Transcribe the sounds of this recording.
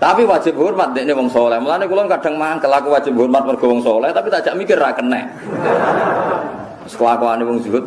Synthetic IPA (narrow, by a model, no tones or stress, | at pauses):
t̪apiwḁd͡ʒʒ̥ɪp̚ɦurmat̪̚d̪eʔnewɔŋsɔlɛhmulanekulɔnkaɖ̥a̤ŋmaŋkəlakuwad̥ʒ̥ɪp̚ɦurmat̪̚mərɡ̥ɔ̤wɔŋsɔlɛht̪apit̪ad̥d͡ʒ̥aʔmikɪrːakənːɛ̰ | sə̥kəlakɔanewɔŋd͡ʒuʊt̪̚